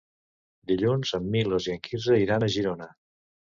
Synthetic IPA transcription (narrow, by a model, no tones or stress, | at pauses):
d̪iʎunzəmːiloziəŋkʰizəiɾanəʒiɾonə